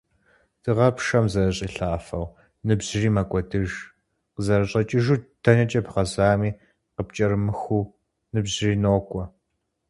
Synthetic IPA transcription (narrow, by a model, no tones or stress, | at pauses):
d̥ʰɨʁɐpʂɐmzɐɾɐɕʼiːɬaːfɐw | nɨbʑ̥riːmɐkʷʼɔdɨʒ | qəzɐɾɐɕʼɐt͡ʃʼɪʒuːtʰɐnɐt͡ʃʼɐpχɐzaːmiː | qəpt͡ʃʼɐɾɨmɨxuː | nɨbzɪriːnoːkʷʼɔ